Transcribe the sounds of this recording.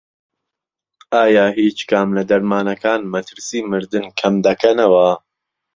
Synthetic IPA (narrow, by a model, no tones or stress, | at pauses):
aːjaːɦiːt͡ʃkʰamlɐd̪ɐɾmaːnɐkaːnmɐt̪ʰɨɾsiːmɨɾd̪ɨnkʰɐmd̪ɐkʰɐnɐwɐ